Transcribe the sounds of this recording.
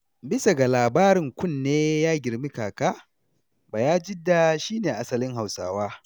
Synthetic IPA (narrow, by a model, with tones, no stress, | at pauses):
bɪ˦sa˨ɡa˨laː˨baː˦ɾɪ˨ŋkʷʊ˦˨nːeː˦jaː˦ɡʲɪ˨ɾmi˦kaː˨kaː˦ | baː˨jaː˦d͡ʒɪ˦dːa˨ʃiː˦neː˨ʔa˦sɐ˨lɪ˦ŋɦa˨wsa̰ː˦˨waː˦